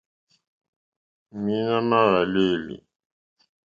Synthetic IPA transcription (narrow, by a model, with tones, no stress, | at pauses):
mi˦na˦na˦ɾa˨le˦˨lḭ˨